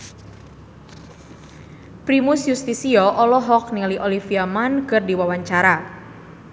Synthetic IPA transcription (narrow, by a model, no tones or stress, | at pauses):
pɾimʊsjust̪isiɔʔɔlɔɦɔk̚niliʔolifiamankɨrdiwawaɲt͡ʃaɾa